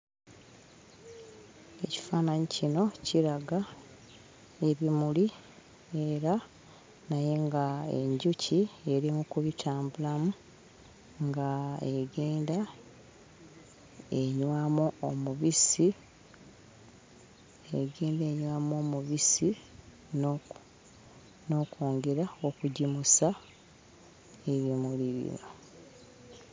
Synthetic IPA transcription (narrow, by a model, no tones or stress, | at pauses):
e̞ci̥faːnaɲicino̞ciɾaɡa | e̞βimuli | eɾa | naje̞ŋɡae̞̰ɲɟucie̞ɾimukuβitʰaːmbulamu | ŋɡaeɡeːnda | eɲwamuomuβisi | eɡeːnde̞ːɲwaːmo̞ːmuβisi | no̞ːkuːŋɡeɾao̞kuɟimusa | eβjimuliβḭno